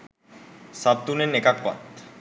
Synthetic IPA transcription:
sab̚t̪unenekakːa̰t̪

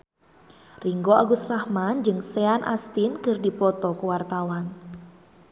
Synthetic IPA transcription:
riŋɡoʔaɡusrahmand͡ʒɨŋseanʔa̰st̪inkɨrdipɔt̪ɔkuwart̪awan

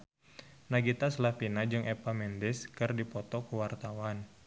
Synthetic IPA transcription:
naɡit̪aslafinad͡ʒɨŋʔɛpamɛndɪskɨrdipɔt̪ɔkuwart̪awan

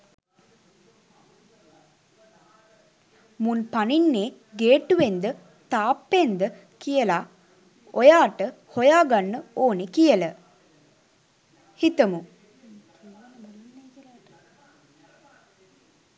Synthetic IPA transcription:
munpaninːeː | ɡeːʈuʋend̪ə | t̪aːpːend̪ə | kijəla | ojaːʈəhojaːɡanːəoːnekijələ | hit̪əmu

